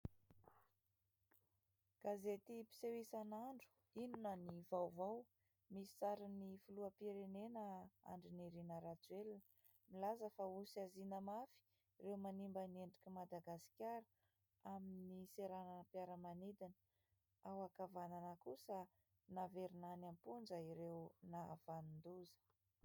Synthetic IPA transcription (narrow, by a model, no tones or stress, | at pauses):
ɡ̥azet̪ipi̥sewisanaɳɖ͡ʐu̥ | inunənivawvaw | misi̥t͡saɾinifuluəpiɾenenəa̰ɳɖ͡ʐiniɾinəɾad͡zuelin | milazəfausazinəmafi̥ | rewmanimbəneɳɖ͡ʐikʲimad̪aɡasi̥kʲaɾə | aminiseɾananpjaɾəmanid̪in | awakavananəkusə | naveɾinanampunzaiɾewnaa̰v̥anind̪uzə̥